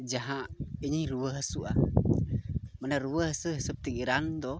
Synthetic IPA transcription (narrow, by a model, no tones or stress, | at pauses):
d͡ʒaɦaʔiɲiɾuwəɦəsuʔah | manaɾuwəɦəsəsup̚t̪iŋiɾand̪ɔ